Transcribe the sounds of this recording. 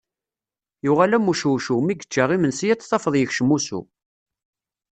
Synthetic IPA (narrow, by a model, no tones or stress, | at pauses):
jʊʁalæmːuʃuʃumiɡə̥t͡ʃːaʁimənsijæt͡sːsˤɑfəðˤjəçʃəmusṵ